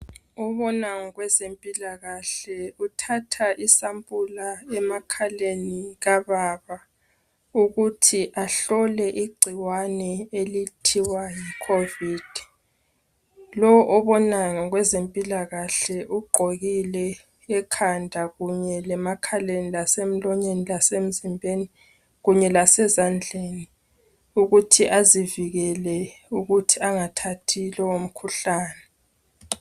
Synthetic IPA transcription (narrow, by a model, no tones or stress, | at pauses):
uβɔnaŋɔɣwɛzempʼilaɣaɬɛutʰatʰaʔisampʼulaɛmakʰaleniɣaβaβa | uɣutʰiʔaɬɔlɛʔiɡ͡ǀʱiwanɛelitʰiwajikʰoviːd̥ʱi | lɔʔɔβɔnaŋɔɣwɛzempʼilaɣaɬɛʔuɡ͡ǃʱoɣilɛː | kʰandʱaɣuɲɛlɛmakʰalenilasem̩lɔɲenilasem̩zimbʱeni | ɣuɲɛlasɛzand͡ɮʱeːni | uɣutʰiʔaziviɣɛlɛuɣutʰiaŋatʰatʰilɔwom̩kʰuɬaːnɛ